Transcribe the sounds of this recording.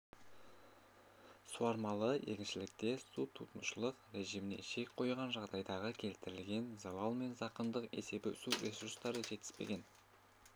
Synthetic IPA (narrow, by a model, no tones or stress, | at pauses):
suɑɾmɑlˠəe̞̰kʲɪnʃɪlɪk̚t̪e̞sut̪ʰut̪ənʃəlˠəqɾʲe̞ʒimɪnḛʃe̞kʲqʰo̞jʁɑnʒɑʁd̪ɑjd̪ɑʁəkʲʰe̞lt̪ɪɾɪlɡʲe̞nzɑlˠɑlˠme̞nzɑqənd̪əqe̞̰se̞bɪʏsuɾʲʔe̞suɾst̪ɑɾəʒe̞t̪ɪ̥spe̞̰ɡʲe̞n